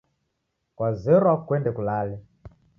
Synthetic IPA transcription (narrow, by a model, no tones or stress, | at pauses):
kwazɛɾwakwɛndɛkulalɛ